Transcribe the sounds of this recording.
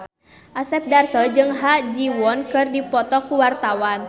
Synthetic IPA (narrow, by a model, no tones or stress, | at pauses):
ʔasɛp̚darsɔd͡ʒɨŋɦad͡ʒiwɔnkɨrdipɔt̪ɔkuwart̪awan